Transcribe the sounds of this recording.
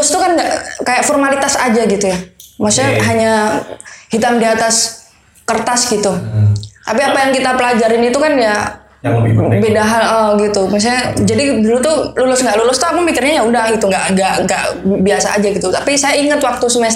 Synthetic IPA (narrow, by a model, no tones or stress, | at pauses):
lʊst̪ukanɡaʔkajaʔfɔrmalit̪asad͡ʒaɡit̪ujamasaaɦaɲa | hit̪amdiat̪as | kərt̪asɡit̪ut̪apiapajaŋkit̪apəlad͡ʒaɾɪnit̪ukanja | bedaɦanɔɡit̪umas̬aɲad͡ʒadidulʊt̪ululʊsŋɡaʔlulʊst̪uapəŋpikɪrɲajaundahɡit̪uŋɡaʔŋɡaʔŋɡaʔbiasaa̰d͡ʒaɡit̪ut̪apisajaiŋət̪wak̚t̪usəms